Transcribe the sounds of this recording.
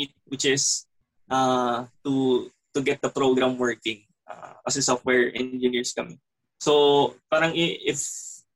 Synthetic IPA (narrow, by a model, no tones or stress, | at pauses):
it̪̚wɪt͡ʃɪs | ʔat̪u | t̪ʊɡɛt̪̚d̪ɐpɾoɡɾamwɛɹkɪ̃ŋ | ʔa̰kɐsɛsɔft̪wɛɹʔɛ̰̃nd͡ʒɪniɹskɐmɛ | sopaːɾɐŋɪʔɪf